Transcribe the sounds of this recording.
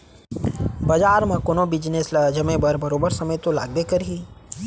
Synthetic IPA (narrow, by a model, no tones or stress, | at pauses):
bɐd͡ʒaːɾmãkonobɪd͡ʒneːslad͡ʒəmẽbəɾbɐɾoːbəɾsɐməjt̪ola̰ːɡ̚b̪ekəɾɦi